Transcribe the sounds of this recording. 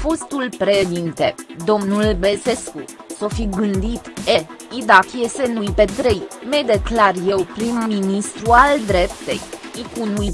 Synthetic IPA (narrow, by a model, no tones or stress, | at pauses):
fo̞st̪ulpɾed̪int̪e̞d̪o̞mnulbelse̞skuso̞fiɡɨnd̪it̪eid̪akiese̞nujpe̞t̪ɾe̞jmejd̪e̞klarje̞wpɾimːinist̪ɾuald̪ɾe̞p̚t̪e̞̰jikunuj